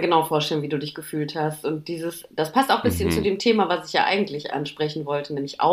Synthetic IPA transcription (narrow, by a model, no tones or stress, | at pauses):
ɡənaʊfoːɐʃtɛlənviːduːdɪçɡ̥əfyːlthastʔʊnt̚d̥iːzəsd̥aspʰastaʊxb̥ɪsçənt͡sudeːmtʰeːmavasɪçja̰ːʔa̰ɪɡŋ̩tlɪçʔa̰nʃpʁ̥ɛçn̩vɔltʰənɛːmlɪçʔa̰ʊ